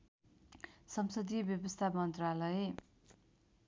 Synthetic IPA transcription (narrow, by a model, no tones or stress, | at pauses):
sʌmsʌd̪ibjʌbʌst̪ʰamʌnt̪ralʌje